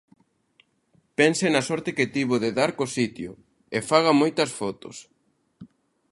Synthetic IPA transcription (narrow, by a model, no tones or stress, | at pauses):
pɛnsenɐsɔɾt̪ɪkɪt̪iβʊðɪðaɾkosit̪jʊ̰ | efaɣ̞ɐmojt̪ɐsfɔt̪ʊ̰s